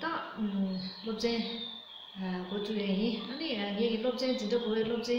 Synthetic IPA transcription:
t̪a | lop̚t͡ɕeŋː | kot͡suʔjajinʔəniŋekilop̚t͡ɕend̪inɖ͡ʐaɡowɛːlop̚t͡ɕẽ

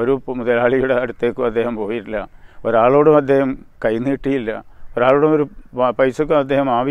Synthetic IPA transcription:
oɾumuðɐlaːɭijuɽeɐɽut̪ːeːkːumɐd̪ːe̞ːhɐmpo̞ːjiʈːilːɐoɾaːɭo̞ːɽumɐd̪ːe̞ːhɐmkɐjnːiːʈːijilːɐ̰oɾaːɭoːɽumoɾupɐjsɐk̬ːumɐd̪ːe̞ːhɐmaːʋi

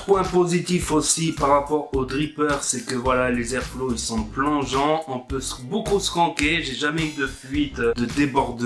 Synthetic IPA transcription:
pwɛ̃pozit̪ifosipaʁːapɔʁod̪ʁipœʁsɛkəvwalalezɛʁfloilsɔ̃plɔ̃ʒɑ̃ɔ̃pøsəbokusə̥kɑ̃keʒeʒamɛyd̪əfɥit̪d̪əd̪ebɔʁd̪

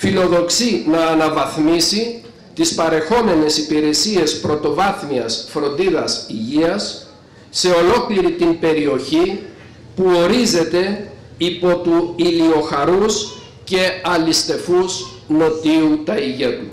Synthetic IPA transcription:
filo̞ðo̞ksinɐːnɐvɐθmisi | t̪ispɐɾe̞xo̞me̞ne̞sipiɾe̞sie̞spɾo̞t̪o̞vɐθmiɐsfɾo̞nd̪iðɐsiʝiɐsː | e̞o̞lo̞kliɾit̪imbe̞ɾio̞çi | puo̞ɾize̞t̪e̞ | ipo̞t̪uilio̞xɐɾus | ce̞ɐlist̪e̞fuz | no̞t̪iut̪ɐiʝet̪u

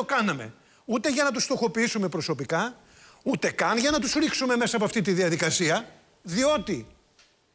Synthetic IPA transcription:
okɐnɐme̞̰ | ut̪e̞ʝɐnɐt̪̬ust̪o̞xo̞piisume̞pɾo̞so̞pikɐ | ut̪e̞kɐnʝɐnɐt̪usɾiksume̞me̞sɐpoɐft̪it̪iðiɐðikɐsiɐ | ðio̞t̪i

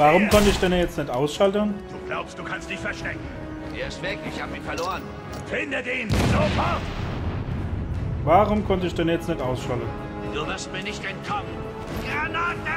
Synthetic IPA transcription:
vaːʁʊmkʰɔntəɪçd̥enəjɛt͡stnɪçtʔaʊsʃaltənd̥uːɡ̥la̰ʊpst̚d̥uːkʰanstd̥ɪçfɛɐʃtɛ̰k̚ŋ̩ | vḛːɐɪstv̥ɪklɪçhaːbɪnfɛɐloːʁən | fɪndətiːnzoːfɔ | vaːʁʊmkʰɔntəɪçd̥ɛnjɛt͡stnɪtʔaʊsʃaltən | d̥uvɪɐst̚miːɐnɪçtɛntkʰɔmə | na

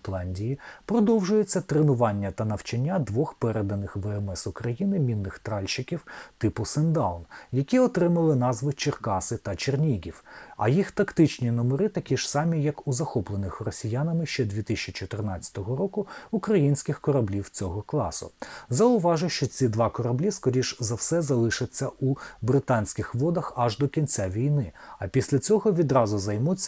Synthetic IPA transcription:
t̪lˠɑnʲdʲijipɾɔd̪ɔwʒʊjet͡sʲːɐt̪ɾenʊʋɑnʲːɐt̪ɐnɐwt͡ʃɐnʲːad̪ʋɔxpɛɾed̪ɐnɪxʋɛɛmɛsʊkɾɐjinɪmʲinːɪxt̪ɾɑlʲʃɪkʲiwt̪ɪpʊsɛnd̪ɑwnjɐkʲiɔt̪ɾɪmɐlˠɪn̪ɑzʋɪt͡ʃerkɑsɪt̪ɐt͡ʃernʲiɡʲiwɐ̰jixt̪ɐkt̪ɪt͡ʃnʲinɔmeɾɪt̪ɐkʲiʒ̥sɑmʲijɐkuzɐxɔplˠenɪxrɔsʲijanɐmɪʃt͡ʃɛd̪ʲʋʲit̪ɪsʲt͡ʃit͡ʃɔt̪ɪrnɑt͡sʲɐ̥t̪ɔɦɔɾɔkʊukɾɐjinʲsʲkʲɪxkɔɾɐblʲiwt͡sʲɔɦɔklˠɑ̰sʊ̰zɐʊʋɑʒʊʃt͡ʃɔt͡sʲid̪ʋɑkɔɾɐblʲiskɔɾʲiʃzɐwsɛzɐlˠɪʃɪt͡sʲːɐubɾɪt̪ɑnʲsʲkʲɪxʋɔd̪ɐxɐʒd̪ɔkʲint͡sʲaʋʲijnɪɐpʲisʲlʲɐt͡sʲɔɦɔʋʲid̪ɾɑzʊzɐjmut͡sʲː

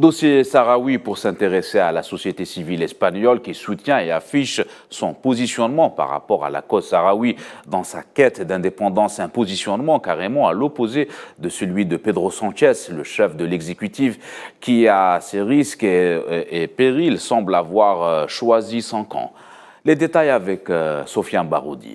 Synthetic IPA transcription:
d̪ɔsjesaʁawipuʁsɛ̃t̪eʁesealasɔsjet̪esivilɛspaɲɔlkʲisut̪jɛ̃eafiʃsɔ̃pɔzisjɔnmɑ̃pa̰ʁːa̰pɔʁa̰la̰kɔzsaʁawid̪ɑ̃sa̰kʲɛt̪d̪ɛ̃d̪epɑ̃d̪ɑ̃sɛ̃pozisjɔnmɑ̃kaʁemɑ̃alɔpozed̪əsəlɥid̪əped̪ʁosɑ̃t͡ʃɛsləʃɛfd̪əlɛɡzekʲyt̪ifkʲiasɛʁiskeepeʁilsɑ̃blavwaʁʃwazisɑ̃kɑ̰̃ | led̪et̪ajavɛksɔfjaba̰ʁod̪ḭ

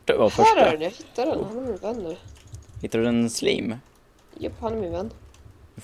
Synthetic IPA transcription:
ʈːvaɾfœœːɾæɾɛnjaɡhɪt̪ːadɛnhanːɛɾmɪnvɛnːəɾhɪt̪ːadʉɛnmːslḭːm | jə̰pːhanːɾmɪnvɛnː

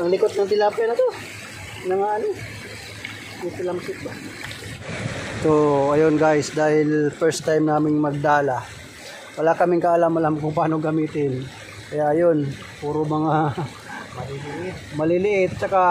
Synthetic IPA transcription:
ʔɐŋlɪkot̪̚nɐŋt̪ɪlaːpɐnɐt̪o̞ | nɐŋaʔɐno | jɪt̪ɪlɐmkɪt̪̚ba | soɐjonɡajsd̪aːhɪlfɛɹst̪ːajmnaːmɪŋmɐɡ̚d̪aːlɐ | wɐlaːkɐmɪŋkɐʔɐlamɐlamkʊŋpaːno̞ɡɐmiːt̪ɪn | kɐjaʔjo̞n | puːɾomɐŋa | mɐlɪlɪʔɪt̪̚mɐlɪlɪʔɪt̪̚t͡ʃɐka

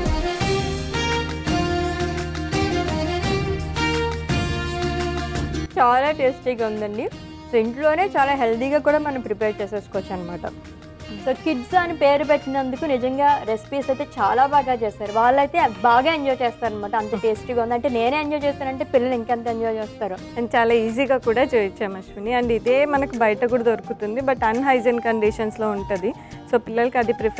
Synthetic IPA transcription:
t͡ʃaːlaːʈeːsʈiːɡaund̪ɐɳɖi | siɳʈlo̞ːne̞ːt͡ʃaːlaːɦeld̪iːɡaːkuːɽaːmɐnɐmpɾipeːɾt͡ʃeːseːskoʋt͡ʃːaːnɐmaːʈɐ̰ | soːkiʈsanipe̞ːɾupeʈːinɐnd̪ukunid͡ʒɐŋɡaːɾe̞spiːsɐjt̪eːt͡ʃaːlaːbaːɡaːt͡ʃeːsaːɾuʋaːɭːɐjt̪e̞ːbaːɡaːeɲd͡ʒojt͡ʃeːst̪aːɾɐnɐmaːʈɐɐnt̪ɐʈeːsʈiɡaːund̪ɐɳʈe̞ːne̞ːneɐɲd͡ʒojt͡ʃeːst̪uanɐɳʈe̞ːpilːɐliŋkeɐnt̪aɐɲd͡ʒoːt͡ʃeːst̪aːɾu | ɐnt͡ʃaːlaːiːziːɡaːkuːɽaːt͡ʃeːit͡ʃːaːmɐʃʋɐniɐɳɖiːd̪eːmɐnɐkubɐjɐʈɐkuːɽɐd̪oɾukut̪und̪ibɐʈːɐnɦɐjzɐnkɐɳɖiʂɐnslo̞ːuɳʈud̪i | so̞ːpilːɐlɐkiɐd̪ipɾi

